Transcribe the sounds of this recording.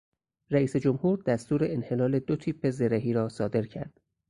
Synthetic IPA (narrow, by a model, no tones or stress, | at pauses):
ɾæiːse̞d͡ʒomhuːɾd̪̥æst̪uːɾe̞enhe̞lɒːle̞d̪ot̪ʰiːpʰːe̞zeɾeɦiːɾɒːsɒːd̪e̞ɾcʰæ̰ɾd̪̥